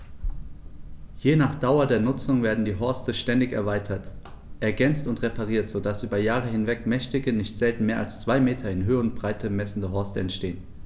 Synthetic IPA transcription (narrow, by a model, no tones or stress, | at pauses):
jeːnaːχd̥aʊɐdeːɐnʊt͡sʊŋveːɐdn̩diːɦɔɐstəʃtɛndɪçɛ̰ɐvaɪtʰɐt | ʔɛɐɡɛnt͡stʊntʁ̥epʰaʁ̞iːɐtz̥oːdasʔyːbɐjaːʁ̞əhɪnvɛkmɛçtɪɡənɪçtz̥ɛltn̩meːɐʔa̰lst͡sv̥aɪmeːtʰɐɪnɦøːəʊntb̥ʁ̥aɪtʰəmɛsn̩dəɦɔɐstəɛntʃteːən